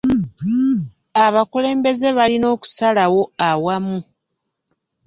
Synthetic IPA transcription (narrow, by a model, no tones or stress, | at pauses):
aβakule̞ːmbe̞ze̞βalino̞ːku̥salawo̞awamu